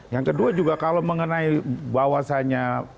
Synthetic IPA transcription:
jaŋkəduad͡ʒuɡakaloməŋənaibawasaɲa

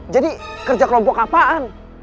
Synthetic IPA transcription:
d͡ʒadikərd͡ʒakəlɔmpɔkapaan

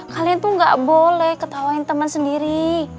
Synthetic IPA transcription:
kaliant̪uŋɡaʔbolɛhkət̪awaint̪əmənsəndiɾi

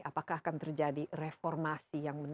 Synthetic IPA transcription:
apakahkant̪ərd͡ʒadirefɔrmasijaŋbən

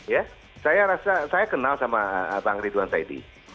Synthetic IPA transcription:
ja | sajaɾasasajakənalsamaəbaŋɾiduansaidḭ

